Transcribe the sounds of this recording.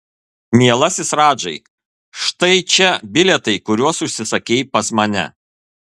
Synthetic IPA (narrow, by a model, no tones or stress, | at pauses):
mʲiɛlˠɐsʲɪsɾɑːd͡ʒɐɪ | ʃt̪ɐɪt͡ʃʲɛbʲɪlʲɛt̪ɐɪkʊɾʲuɔsʊʃʲsʲɪsɐkʲeːɪpɐsmɐnʲɛ̰